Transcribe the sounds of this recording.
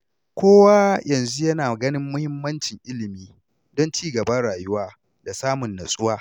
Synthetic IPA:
kʷoː˦wa˦jɐ˨nzu˦jɐ˦naː˨ɡɐ˦nɪ˦mːʊ˦hɪ˦mːɐ˦nt͡ʃɪ˨ŋʔɪ˦lɪ˨miː˦ | dɔ˦nt͡ʃiː˦ɡɐ˨ba˦ɽaː˨jʊ˦waː˦ | da˨saː˦mʊ˨nːɐ˨sʼʊ˦waː˦

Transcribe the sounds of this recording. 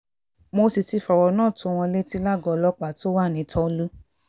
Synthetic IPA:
mo˧si˧si˧˦fɔ˨ɾɔ˨nãː˦˨tũ˨˧w̃ɔ̃˧le˦ti˦la˦ɡɔ˧lɔ˦k͡pa˨to˦wa˦˨nĩ˨˦tʰɔ̃˦˧lu˦

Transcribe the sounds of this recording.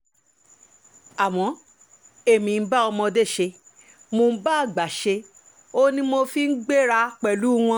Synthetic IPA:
a˨w̃ɔ̃˨˦ | e˦˨mĩ˨˦ba˦ɔ˧mɔ̃˧de˦˨ʃe˧ | mo˧˦ba˦˨ɡ͡ba˨ʃe˧ | o˦nĩ˧mo˧fi˧n̩˦ɡ͡be˦˨ɾa˧k͡pɛ˨lu˨˦w̃ɔ̃˧˦

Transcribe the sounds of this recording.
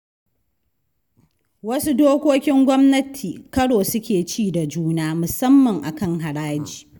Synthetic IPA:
wɐ˦su˦doː˦kʷoː˦kʲɪ˦ŋɡʷɔ˦mnɐ˦tʰiː˨kɐ˦ɽoː˨sʊ˦kʲeː˨t͡ʃiː˦da˨d͡ʒuː˦naː˦mʊ˨sɐ˦mːɐ˨ŋʔa̰˨kɐ˦ŋɦa˨ɽaː˦d͡ʒiː˨

